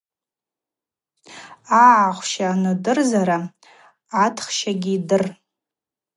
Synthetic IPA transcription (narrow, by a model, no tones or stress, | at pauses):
aʕaχʷʃaːnɨdɨrzaɾa | atʰχʃaɡʲiidɨr